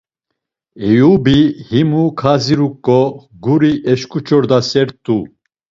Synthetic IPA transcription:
ɛjubihimukʰaziɾukʼːɔ | ɡuɾiʔɛʃkʼut͡ʃʰʼɔɾd̪asɛɾt̪ʼːu

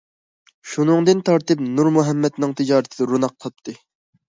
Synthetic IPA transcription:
ʃunɨŋd̪ɨnt̪ʰɑɾt̪ɨp̚nuɾmuɦɛmːɛt̪nɨŋt̪ʰɪd͡ʒɑːɾɨt̪ʰɨɪd̪ɑɾunɑq̚ːʰlˠp̚t̪ʰːɨ

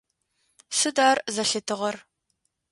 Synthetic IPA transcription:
sɨdaːrzɐɬɨtʰɨʁɐr

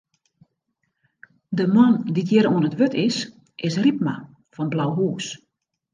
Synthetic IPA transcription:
dəmɔnditʰjɪɾuənətʋøtʰɪs | ʔɪsrip̚ma̰ | fɔnblawɦuːs

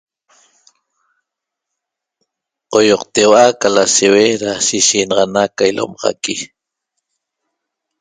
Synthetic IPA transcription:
qojoqt̪ewakalaseweɾasiʃiːnɑʁɑnakailʔo̰mɑʁɑ̰ki

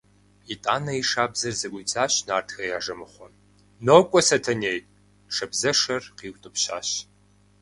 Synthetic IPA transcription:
itʼaːnɐiʂaːbzɐrzɨʔʷid͡zaːɕnaːrtʰxɐjaːʐɐmɨχʷɔ | nokʷʼɔsɐtʰɐneːj | ʂɐbzɐʂɐrqiːwʷtʼɨpɕa̰ːɕ

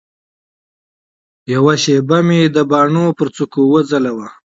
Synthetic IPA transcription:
jawaʃebamed̪əbɑːɳopəɾt͡sukowəd͡zalawa

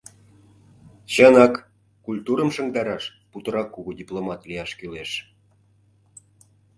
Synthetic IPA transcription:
ɕənɑkː | ulʲt̪uɾə̆mʃə̆ŋd̪ɑɾɑʃput̪ə̆ɾɑkːuɣudʲiplˠomɑt̪lijɑʃkyleʃ

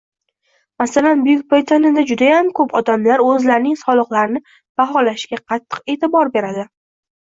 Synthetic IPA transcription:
masalanbʊjʊk̚ʲpʰojt̪ʰanɪd̪ad͡ʒʊd̪ajamkʰɵpʰɒd̪amlaɾɵzlaɾnɪŋsɒlˠɨqlaɾɪnɪ | b̥aɦɒlaʃɡʲaqʰɑt̪ʰːɨ̥qe̞t̪ʰɪbɒɾbe̞ɾad̪ɪ

